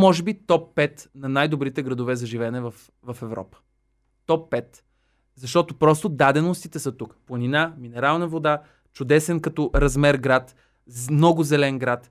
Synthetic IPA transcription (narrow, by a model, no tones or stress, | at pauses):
mɔʒɛbit̪ɔpːɛt̪nɐnajd̪obɾit̪ɛɡɾɐd̪ovɛzɐʒivɛnɛvɐf | vɐfɛvɾɔ̰pə̥ | t̪ɔpːɛt̪ | zɐʃt̪ɔt̪opɾɔst̪od̪ad̪ɛnost̪it̪ɛsɐt̪ukplˠɐninaminɛɾalˠnɐvod̪a | t͡ʃʊd̪ɛsɛnkɐt̪ɔɾɐzmɛɾɡɾat̪ | mnɔɡʊzɛlɛnɡɾat̪